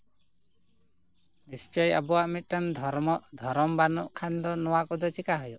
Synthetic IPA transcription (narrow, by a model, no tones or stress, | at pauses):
nist͡ʃɔja̰bɔwaʔmit̪̚ˀʈand̪ʱɔɾmɔʔd̪ʱɔɾɔmbanɔʔkʰand̪ɔnɔwakɔd̪ɔt͡ʃikaɦɔjɔʔ